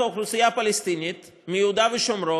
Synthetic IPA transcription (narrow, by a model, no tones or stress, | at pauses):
okʰɾusijapɐlist̪init̪ | mijud̪aʋiʃomɾo